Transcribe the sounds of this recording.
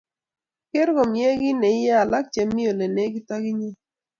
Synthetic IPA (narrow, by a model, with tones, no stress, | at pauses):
ke˦ɾɡo˨mje˦ɡɪ˦nɛ˨˦ja˦a˨la˦k̚t͡ʃɛ˨mːi˦o˨le˨ne˦ɡɪ˦ta˦ɡɪ˦ɲe˦